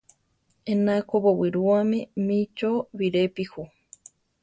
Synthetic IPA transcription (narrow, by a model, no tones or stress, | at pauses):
enakoβowiɾuamĩmĩt͡ʃoβiɾepihu